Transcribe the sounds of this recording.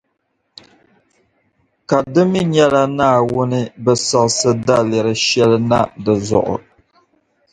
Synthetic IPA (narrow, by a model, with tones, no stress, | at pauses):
ka˨dɨ˦mi˦ɲɛ˦la˦naː˦˨wʊ˦nɨ˦bɛ˦sɔ˨ksɨ˦da˦lɪ˨ɾɨ˦ʃɛ˦lɨ˦na˦dɨ˨zɔ̰˨ʔʊ̰˨